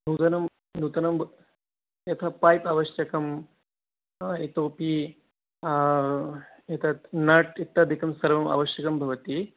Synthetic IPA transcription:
d̪uːt̪ɐnɐm | d̪ʱuːt̪ɐnɐmb | jɐt̪ʰɐpaːjpɐʋɐʃjɐkɐm | et̪oːpi | jɐt̪ʰɐnɐʈit̪ːɐːd̪ʱikɐmsɐɾʋɐmɐ̰ʋɐʃjɐkɐmbʱɐʋɐt̪i

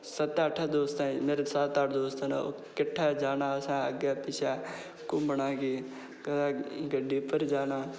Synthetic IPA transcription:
sət̪aːʈʰaːd̪oːst̪aːmeːɾesaːt̪aːʈʰd̪oːst̪aːnao̰ | kɪʈʰːaːd͡ʒaːnaːəsãːəɡjaːpɪʃaː | kʊ̃bəɽãːɡiː | kəd̪aːɡəɖiːpəɾd͡ʒaːnaː

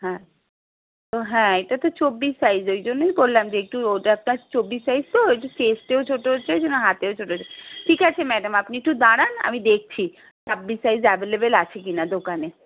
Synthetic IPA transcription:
ɦɛ̃ | t̪oɦɛ̃eʈat̪ot͡ɕobːisːajzojd͡ʑonːojbollamd͡ʑeek̚ʈuoʈap̚naɾt͡ɕobːissajzt̪oek̚ʈusesʈeot͡ɕʰoʈoot͡ɕʰed͡ʑonoɦat̪eot͡ɕʰoʈoɦot͡ɕʰeʈʰikat͡ɕʰemɛɖamapniek̚ʈud̪aɽana̰mid̪ek̚ʰt͡ɕʰi | sʰabːisajzabelebelat͡ɕʰek̬inad̪okane

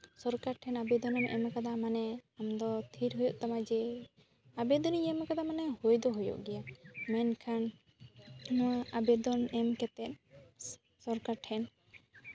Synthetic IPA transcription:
sɔɾkaɾʈʰɛnabɛd̪ɔnɛmʔɛ̰makad̪amanɛamd̪ɔt̪ʰiɾɦujuʔt̪amad͡ʒɛ | abɛd̪ɔnjɛmɛkad̪amanɛhojd̪ɔɦujṵʔɡɛjamɛnkʰan | abɛd̪ɔnɛmkɛt̪ɛt̪̚ | sɔɾkaɾʈʰɛn

